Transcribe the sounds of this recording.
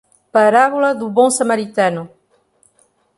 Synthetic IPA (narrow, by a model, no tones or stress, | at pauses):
paɾaβulɐðuβõŋsamaɾit̪anu